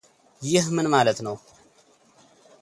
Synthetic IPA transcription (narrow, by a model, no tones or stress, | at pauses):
jɪhmɨnmalət̪nəw